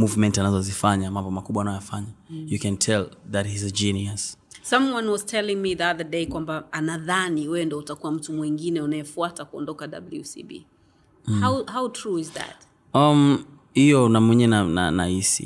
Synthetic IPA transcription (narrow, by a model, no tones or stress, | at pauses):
muvmɛntianazɔzifaɲamambɔmakuɓwanajɔjafaɲajukɛ̃ntʰɛlðat̚hizɛd͡ʒinias | sãmwʌ̃nwɔz̥tʰɛlɪ̃ŋmiðiaðədekwambaanaðaniwɛɛndɔutakuwam̩tumwiŋɡinɛunajɛfuatakuɔ̰ndɔkada̰bl̩jusḭbḭ | hawhawtʰɹuɪzðæ̰t̚ | am | hijɔnamwɛɲɛnana̰nahisḭ